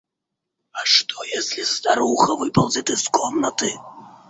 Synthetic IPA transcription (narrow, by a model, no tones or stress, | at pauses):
ɐʂt̪ʰɔjesʲlʲizd̪aɾuxɐvɨpɐlˠzʲit̪ɨskɔmnɐt̪ɨ